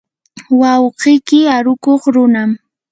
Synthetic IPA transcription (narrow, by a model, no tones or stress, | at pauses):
wɑwqɪjkɪaɾʊkoχɾʊnam